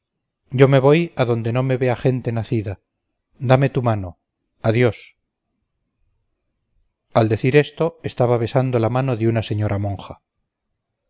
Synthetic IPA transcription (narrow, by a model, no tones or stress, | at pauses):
ɟ͡ʝo̞me̞βo̞jaðo̞nd̪e̞no̞me̞βe̞aχe̞nt̪e̞naθiða | d̪ame̞t̪umano̞ | aðjo̞s | ald̪e̞θiɾe̞st̪o̞est̪aβaβ̞e̞sand̪olamano̞ðeunase̞ɲo̞ɾʔamõŋxa